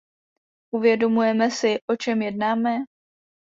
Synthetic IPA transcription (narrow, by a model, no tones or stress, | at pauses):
ʔuvjɛdo̞mujɛmɛsɪʔo̞t͡ʃɛmjɛdnaːmɛ